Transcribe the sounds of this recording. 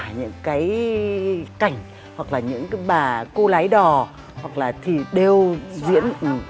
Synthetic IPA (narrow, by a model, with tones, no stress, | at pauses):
ɲɨ̰˧˥ŋkaː˨˦j | ka˨˩jŋ̟ | hwa˨˩k̚laː˨˩ɲɨ̰˧˥ŋkaː˨˦jɓaː˨˩ko˧la˨˦jɗɔ˨˩ | hwa˨˩k̚laː˨˩t̪ʰi˨˩ɗe˧˩wzḭ˧˥ən˨˩